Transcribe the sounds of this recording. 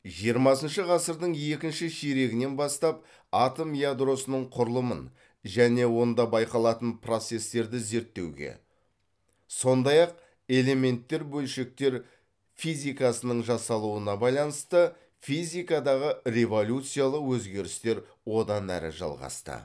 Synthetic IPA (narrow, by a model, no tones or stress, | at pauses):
ʒijəɾmɑsənʃəʁɑsəɾd̪əɴje̞kʲɪnʃɪʃeɾe̞ɡʲɪne̞nbɑst̪ɑp | at̪o̞mjad̪ɾo̞sənəɴqʰʊɾəlˠəmən | ʒæne̞wo̞nd̪ɑbɑjqɑlˠɑt̪ənpro̞t̪se̞st̪e̞ɾd̪ɪze̞ɾt̪ːe̞̰wɡʲe̞̰ | so̞nd̪ɑjɑq̚ | e̞le̞me̞nt̪ːe̞ɾbɵlʃe̞k̚t̪e̞ɾ | fijzʲijkɑsənəɴʒɑsɑlˠuənɑbɑjlˠɑnəst̪ə | fizʲijkɑd̪ɑʁəre̞vo̞lʲut̪sɨjalˠəqwɵzɡʲe̞ɾɪst̪e̞ɾ | wo̞d̪ɑnæ̰ɾɪ̰ʒɑ̰lˠʁɑ̰st̪ə̰